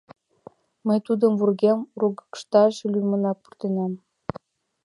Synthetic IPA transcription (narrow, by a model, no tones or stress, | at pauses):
məjt̪ud̪ə̆mvurɣemruɡə̥kʃt̪ɑʃlʲymə̆nɑk̚pu̥rt̪enæm